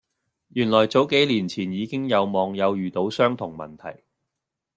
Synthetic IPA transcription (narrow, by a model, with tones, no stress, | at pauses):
jyː˨˩nlɔː˨˩jt͡so˨˥wke˨˥jliː˨˩nt͡sʰiː˨˩njiː˨˧kɪ˥ŋjɐ˨˧wmɔː˨˧ŋjɐ˨˧wjyː˨t̪o˨˧˥wsœː˥ŋt̪ʰʊ˨˩ŋmɐ̰˨˩nt̪ʰɐ̰˨˩j